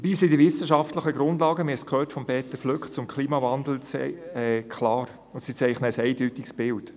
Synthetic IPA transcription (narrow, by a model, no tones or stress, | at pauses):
dəbiːsidivɪsəʃɑftləχəɡɾʊndlɑːɡəmɪskʰøːtfɔmpɛːt̪əfløkt͡sʊmkʰliːmɑvɑnd̪l̩t͡sɛ̰ɛːkʰlɑːɾ | ʊsit͡sɛɪχnəəsɛɪdytiksb̥ɪlt